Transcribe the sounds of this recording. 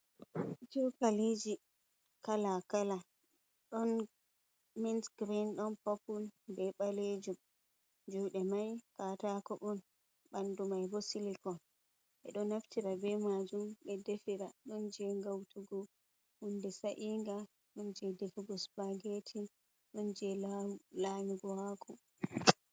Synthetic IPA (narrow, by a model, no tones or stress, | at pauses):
d͡ʒɔkalid͡ʒi | kalakala | ɗɔn | minsɡɾinɗɔnpɔpulbɛɓaled͡ʒum | d͡ʒuːɗɛmajkatakɔʔɔn | ɓandumajbɔsilikɔn | ʔɛ̰ɗɔnaftiɾabɛmad͡ʒumɓɛdefiɾaɗɔnd͡ʒɛŋɡawtuɡɔ | hundɛsaʔiŋɡa | ɗɔnd͡ʒɛdefuɡɔsbaɡetʰi | ɗɔnd͡ʒɛlamiɡɔhakʰɔ